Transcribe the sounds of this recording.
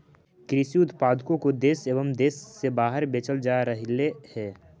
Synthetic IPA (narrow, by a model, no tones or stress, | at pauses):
kɾɪsiʊt̪paːd̪kõkod̪eːseːʋəmd̪eːsːebaːɦəɾbeːt͡ʃəld͡ʒaːɾəɦlehɛː